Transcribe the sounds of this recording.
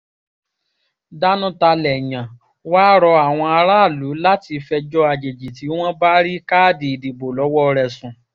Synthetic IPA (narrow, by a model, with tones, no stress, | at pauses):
da˦nũ˦ta˧lɛ˨j̃ã˨ | waː˦ɾɔ˧a˨w̃ɔ̃˧a˧ɾaː˦˨lu˨˦la˦ti˧fɛ˧d͡ʒɔ˦a˧d͡ʒe˨d͡ʒi˨ti˨˦w̃ɔ̃˦ba˦ɾi˦ka˦˨di˨i˨di˨bo˨lɔ˨˦wɔ˦˧ɾɛ˨sũ˨